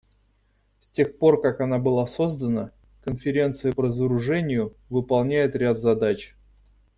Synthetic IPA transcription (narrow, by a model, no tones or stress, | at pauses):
sʲtʲe̞xpo̞rkakɐnabɨlˠaso̞zd̪ənə | kənfʲɪɾʲe̞nt̪sɨjəpəɾəzəɾʊʐɛnʲɪjʊvɨpɐlˠnʲæjɪt̪ɾʲat̪zɐd̪at͡ɕ